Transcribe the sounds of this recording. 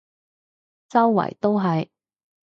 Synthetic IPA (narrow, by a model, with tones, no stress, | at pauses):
t͡sɐ˥wːɐ̰˨˩jt̪o˥wɦɐ˨j